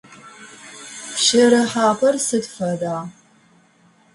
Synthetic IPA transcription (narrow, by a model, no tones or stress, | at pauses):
pʃɐɾɐħaːpʰɐrsɨdfɐdaː